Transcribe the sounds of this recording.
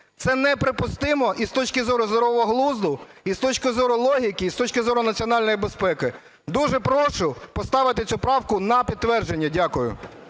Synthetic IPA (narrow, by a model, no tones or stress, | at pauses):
t̪sɛnɛpɾɪpʊst̪ɪmɔʔist̪ɔt͡ʃkɪzɔɾʊzd̪ɔɾɔʋɔɔɦlˠuzd̪ʊist̪ɔt͡ʃkɪzɔɾʊlˠɔɦʲikiːst̪ɔt͡ʃkɪzɔɾʊnɐt͡sʲiɔnɑlʲnɔjibespɛkɪ | d̪uʒɛpɾɔʃʊpɔst̪ɑʋɪt̪ɪsʲupɾɑwkʊnɐpʲid̪̚t̪ːʋɛrʒe̞nʲːɐdʲakʊjʊ̰